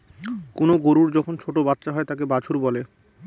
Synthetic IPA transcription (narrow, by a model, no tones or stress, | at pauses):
konoɡoɾuɾd͡ʑɔkʰont͡ɕʰoʈobat̪ːɕaɦɔet̪akebat͡ɕʰuɾbɔle